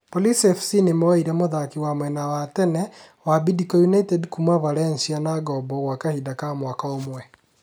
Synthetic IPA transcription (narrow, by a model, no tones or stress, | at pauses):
polisɛfsinemɔiɾɛmoðakiwamwɛnawatɛnɛ | wabidikɔjunaitɛdkumavalɛnsianaɡɔbɔɣwakahidakamwakaomwɛ